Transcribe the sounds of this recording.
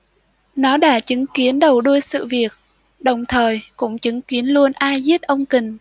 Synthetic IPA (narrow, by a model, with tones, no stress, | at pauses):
nɔ˨˦ɗa̰ː˧˥t͡ɕɨ˨˦ŋki˨˦ənɗə˨˩wɗu˧əjsɨ̰˧˨vi˨˩ək̚ | ɗə˨˩wŋ͡mt̪ʰəː˨˩jkʊ̰˧˥ŋ͡mt͡ɕɨ˨˦ŋki˨˦ənlu˧ənʔaː˧jzi˦˥t̚ʔə˧wŋ͡mkï˨˩ŋ̟